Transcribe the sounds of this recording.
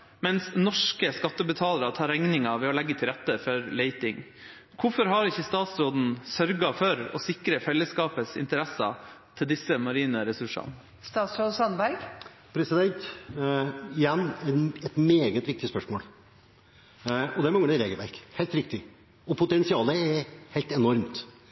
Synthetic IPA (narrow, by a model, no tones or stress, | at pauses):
mɛnsnɔʂkəskɑt̪ːəbət̪ʰɑːləɾɑt̪ʰɑːɾɛŋnɪŋɑʋɛɔlɛɡːət̪ʰɪlɾɛt̪ːəfɔɾleɪt̪ɪŋ | kʰʊfɔɾɦɑɾɪçːəst̪ɑːt̪sɾoːd̪n̩sœɾɡɑfɔɾɔsɪkɾəfɛlːəskɑːpəsɪ̰nt̪əɾɛsɑ̰t̪ʰɪld̪ɪsːəmɑɾiːnəɾɛsʉʂɑ̰n | st̪ɑːt̪sɾoːd̪sɑnʋæɡ | pʰɾɛsɪd̪ɛnt̪ | ɪjɛnːɛɛt̪meːɡət̪ʋɪk̚t̪ɪspœʂmo̰ːl | ɔd̪ɛæɾmɑŋəɳəɾeːɡəlʋæ̰ɾkhɛːlt̪ɾɪkt̪ɪ | ɔpʰʊt̪ɛnsɪɑːləɛɾhɛɪt̪ɛnɔɾmt̪